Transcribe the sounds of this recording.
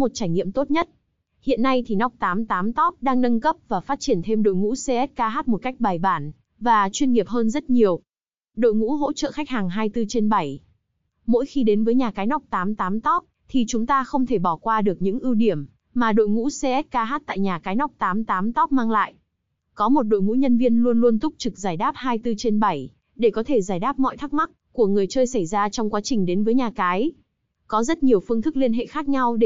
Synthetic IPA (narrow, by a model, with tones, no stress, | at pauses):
mo˨˩t̚t͡ɕaː˧˩jŋḭ˧˨əmt̪o˦˥t̚ɲə˦˥t̚ | hḭ˧˨ənːa˧jt̪ʰi˨˩nɔ˦˥wk͡p̚t̪aː˨˦mt̪aː˨˦mt̪ɔ˦˥k͡p̚ɗaː˧ŋnə˧nkə˦˥p̚vaː˨˩faː˦˥t̚t͡ɕi˧˩ənt̪ʰe˧mɗo̰˧˨jŋṵ˧˥se˧ʔɛ˦˥t̚kaː˧ɦaː˦˥t̚mo˨˩ka˦˥jk̟̚ɓaː˨˩jɓaː˧˩n | vaː˨˩t͡ɕwi˧ənŋi˨˩əp̚ɦəː˧nzə˦˥t̚ɲi˨˩əw | ɗo̰˧˨jŋṵ˧˥ɦo̰˧˥t͡ɕə̰ː˧˨xa˦˥k̟̚haː˨˩ŋɦaː˧jt̪ɨ˧t͡ɕe˧nɓa˧˩j | mo̰˧˥jxi˧ɗe˨˦nvəː˨˦jɲaː˨˩kaː˨˦jnɔ˦˥wk͡p̚t̪aː˨˦mt̪aː˨˦mt̪ɔ˦˥k͡p̚t̪ʰi˨˩t͡ɕʊ˨˦ŋ͡mt̪aː˧xə˧wŋ͡mt̪ʰe˧˩ɓɔ˧˩kwaː˧ɗɨ˨˩ək̚ɲɨ̰˧˥ŋʔi˧wɗi˧˩əm | maː˨˩ɗo̰˧˨jŋṵ˧˥se˧ʔɛ˦˥t̚kaː˧ɦaː˦˥t̚t̪a̰ː˧˨jɲaː˨˩kaː˨˦jnɔ˦˥wk͡p̚t̪aː˨˦mt̪aː˨˦mt̪ɔ˦˥p̚maː˧ŋla̰ː˧˨j | kɔ˨˦mo˨˩t̚ɗo̰˧˨jŋṵ˧˥ɲə˧nvi˧ənlu˧ənlu˧ənt̪ʊ˦˥p̚t͡ɕɨ˨˩k̚zaː˧˩jɗaː˦˥p̚haː˧jt̪ɨ˧t͡ɕe˧nɓa˧˩j | ɗe˧˩kɔ˨˦t̪ʰe˧˩zaː˧˩jɗaː˦˥p̚mɔ̰˧˨jt̪ʰa˦˥k̚ma˦˥k̚ku˧˩əŋɨ˨˩əjt͡ɕəː˧jsa˧˩jzaː˧t͡ɕɔ˧wŋ͡mkwaː˨˦t͡ɕï˨˩ŋ̟ɗe˨˦nvəː˨˦jɲaː˨˩kaː˨˦j | kɔ˨˦zə˦˥t̚ɲi˨˩əwfɨ˧əŋt̪ʰɨ˦˥k̚li˧ənɦḛ˧˨xaː˦˥k̚ɲa˧wɗ